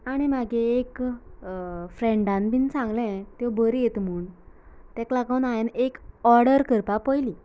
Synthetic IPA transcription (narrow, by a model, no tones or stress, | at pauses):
aɽ̃imaɡeek | fɾẽɳɖãnbinsãŋɡlɛ̃t̪jɔbəɾjet̪m̤uːɳt̪ɛ̃klaɡəwnaenekɔɾɽəɾkəɾpapəjli